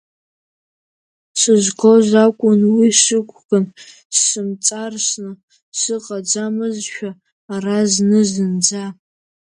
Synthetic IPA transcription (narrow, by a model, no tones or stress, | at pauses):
sɨʒʷɡʰozakʷʼʊnwiʂɨkʷʰʼxɨn | sːɨmt͡sʼarʂnɨ | sɨqʼad͡zamɨzʃᶣaː | raznɨzɨnd͡za